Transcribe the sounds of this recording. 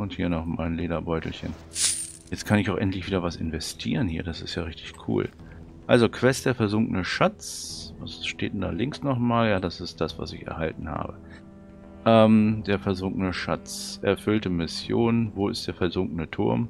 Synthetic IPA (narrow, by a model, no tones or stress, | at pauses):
ʊnthiːɐnɔχma̰ɪnleːdɐbɔʏtl̩çə̰n | jɛt͡stkʰanɪçaʊʔɛntlɪçv̥iːdɐvasɪnvɛstʰḭːʁənhiːɐdasɪstjaːʁɪçtɪ̥çkʰṵːl | ʔalzokʰv̥ɛst̚d̥eːɐfɛɐzʊŋkənəʃat͡sasʃteːtnda̰ːlɪŋsnɔχmaːljaːdasɪst̚d̥asv̥a̰sɪçɛ̰ɐhaltn̩ha̰ːbə | ʔɛːmd̥eːɐfɛɐzʊŋknəʃat͡sʔɛɐfʏltəmɪsjoːnnvoːɪst̚d̥eːɐfɛɐzʊŋkənətʰʊɐm